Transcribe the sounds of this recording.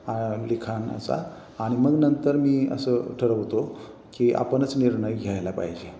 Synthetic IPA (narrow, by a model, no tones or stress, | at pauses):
alikʰanə̰sa̰ː | ɽ̃iməɡnənt̪əɾmiːə̰səʈʰəɾəʋt̪o | kia̰pəɳət͡sniɾɳəjɡʱjajlapa̰ɦid͡ʑe